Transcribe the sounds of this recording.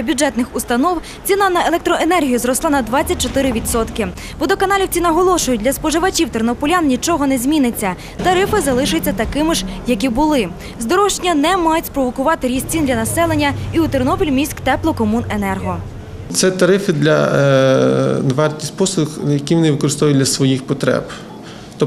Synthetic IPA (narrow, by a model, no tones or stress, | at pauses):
ɐbʲjʊd͡ʒɛt̪nɪxʊst̪ɐnɔw | t͡sʲinɐnɐelˠɛk̚t̪ɾɔenɛrɦʲijʊzɾɔslˠɑnɐd̪ʋɑt͡sʲːɐt̚ʲt͡ʃɔt̪ɪɾɪʋʲid̪sɔt̪kɪ | ʋɔd̪ɔkɐnɑlʲiwt͡sʲinɐɦɔlˠɔʃʊjʊt̚ʲlʲɐspɔʒɪʋɐt͡ʃʲiwt̪ernɔpʊlʲannʲit͡ʃɔɦɔnɛzʲmʲinɪt͡sʲːɐ | t̪ɐɾɪfɪzɐlˠɪʃɪt͡sʲːɐt̪ɐkɪmɪʒjɐkʲibʊlˠɪ | zd̪ɔɾɔwʃt͡ʃnʲɐnɛmɑjʊtʲspɾɔʋɔkʊʋɑt̪ɪɾʲist͡sʲind̪lʲɐnɐsɛlˠenʲːɐiut̪ernɔpʲilʲmʲisʲkt̪ɛplˠɔkɔmune̞nɛrɦɔ | t̪sɛt̪ɐɾɪfɪd̪lʲɐ̰ | d̪ʋart̪ʲisʲpɔsxjɐkʲiʋɔnɪʋɪkɔɾɪst̪ɔʋʊjdlʲɐsʋɔjixpɔt̪ɾɛ̰b | t̪ɔ